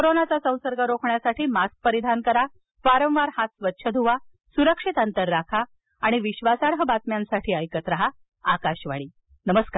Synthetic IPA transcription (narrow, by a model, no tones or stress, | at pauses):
koɾonat͡sasə̃w̃səɾɡʱaɾokʰɳjasaʈʰiːmask̚pəɾid̪ʱankəɾa | ʋaɾə̃ʋ̃ʋaɾhat̪sʋətːɕʰəd̪ʱuʋa | suɾəkʂit̪ant̪əɾːakʰaː | ɽ̃iʋiɕʋasaɽɦəbat̪mjãnsaʈʰiːəjkət̪ɾəɦa | akaɕʋa̰ɭiː | nəməskaɾ